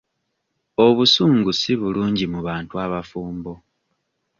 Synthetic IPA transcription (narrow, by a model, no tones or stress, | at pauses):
oβusuːŋɡusiβuluːɲɟimuβaːntuaβafuːmbo̞